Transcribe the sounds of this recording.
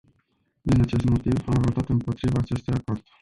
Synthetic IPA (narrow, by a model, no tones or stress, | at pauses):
d̪inat͡ʃe̞st̪mo̞t̪ivamvot̪at̪ɨmpo̞t̪ɾivaːt͡ʃe̞st̪ujakord̪̥